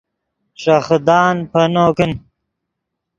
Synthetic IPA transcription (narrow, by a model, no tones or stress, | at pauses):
ʂɐxd̪ɑːnpɐnoːkin